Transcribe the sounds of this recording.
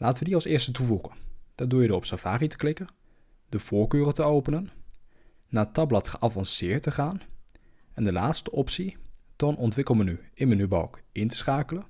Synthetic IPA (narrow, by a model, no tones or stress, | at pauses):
lʔaːtəʋədiɑlˠsɪːɹstətuvuχənd̥aːɹduːɹjədoːrɔpsavaːritə̥klɪkən | dəv̥oːɹkøːrətəowpənənː | aːtɑblɑtχəʔavɑnsɪːəɹtəχaːn | ɛndəlaːtstəʔɔpsitɔnɔntʋɪkəl̩ˠmənyʔɪnmənybɔ̰wkɪntə̥sχaːkələ